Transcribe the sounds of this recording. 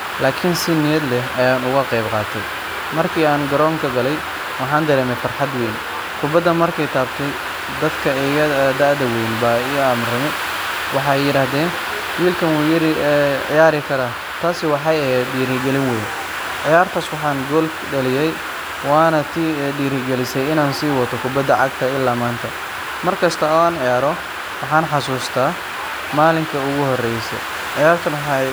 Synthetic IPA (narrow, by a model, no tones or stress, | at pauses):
laːkʰɪnsɪnɪjɛd̪lɛɦɐjaːnʊɣɐqɛjbqɑːt̪ʰɛj | mɐrkʰiːaːnɡɐɾɔːŋkʰɐɡɐlɛj | wɑħɑːnd̪ɐɾɛːmɛjfɐrħɑd̪wɛjn | kʰʊbɐd̪ɐmɐrkʰɛjt̪ʰaːbt̪ʰɛj | d̪ɐd̪kʰɐɛjɐd̪ɐʕd̪ɐwɛjnbaaːmrɐmɪ | wɑħɑjjɪɾaːhɦðɛːn | wiːlkʰɐnwuːjɪɾɪʕɪ̰jaːɾɪkʰɐɾaː | t̪ʰaːsɪwɑħɑjɛhɛːd̪ɖiːɾɪɡɛlɪnwɛjn | ʕɪjaːrt̪ʰaːswɑħɑːŋɡɔl | ɖɐlɪjɛj | waːnɐt̪ʰiːɖiːɾɪɡɛlɪsɛjɪnaːnsiːwɐt̪ʰɔkʰʊbɐd̪ɐʕɑ̰ɡ̚t̪ʰɐɪlːaːmaːnt̪ʰɐ | mɐrkʰɐst̪ʰɐɔːaːnʕɪjaːɾɔ | wɑħɑːnħɑsuːst̪ʰaː | maːlɪŋkʰɐʊɣʊhɔrɛjsɛ̰ | ʕɪjaːrt̪ʰɐnwħɑj